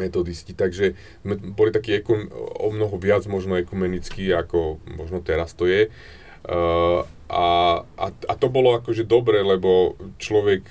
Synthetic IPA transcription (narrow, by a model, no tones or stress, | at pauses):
ɛt̪ɔd̪iscit̪aɡʒɛ | zmɛbɔlit̪akiːɛkuɔ̰mnɔɦɔʋɪad͡zmɔʒnɔɛkumɛnit͡skiːakɔmɔʒnɔt̪ɛɾast̪ɔjɛ | ʔaʔa̰a̰t̪ɔbɔlɔakɔʒɛd̪ɔbɾɛlɛbɔt͡ʃlɔʋɛk